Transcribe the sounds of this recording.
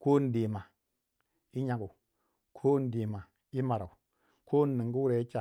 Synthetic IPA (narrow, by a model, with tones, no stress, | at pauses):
ko˦n˨de˨ma˨ | i˦ɲa˦ɡu˨ | kʰo˦n˨di˨ma˨ | i˦ma˨ɾa̰˨u˨ | kʰo˦nː˦i˨ŋɡu˦wu˦ɾe˨i˦t͡ʃa˨